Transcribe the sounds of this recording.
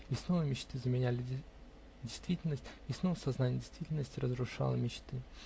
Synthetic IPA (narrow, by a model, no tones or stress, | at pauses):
jɪsnovəmʲɪt͡ɕt̪ɨzəmʲɪnʲælʲɪ | dʲɪjst̪vʲitʲɪlʲnəsʲtʲɪsnovəsɐznanʲɪjdʲɪjst̪vʲitʲɪlʲnəsʲtʲɪrəzɾʊʂa̰lˠəmʲɪt͡ɕt̪ɨ